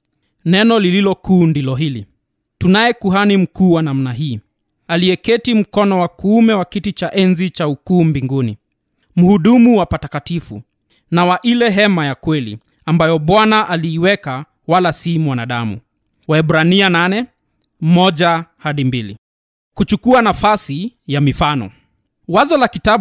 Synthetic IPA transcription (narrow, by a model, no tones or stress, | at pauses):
nɛnɔlililɔkuːndilɔɦili | tunajɛkuɦanim̩kuːwanam̩naɦiː | aliɛkɛtim̩kɔnɔwakuumɛwakitit͡ʃaʔɛnzit͡ʃaukuːmbiŋɡuni | m̩huɗumuwapatakatifu | nawaʔilɛɦɛmajakwɛlḭ | ambajɔɓwanaʔaliːwɛka | walasimwanaɗamṵ | waɛɓɾaniananɛ | mɔʄahaɗimbilḭ | kut͡ʃukuanafasijamifanɔ̰ | wazɔlakita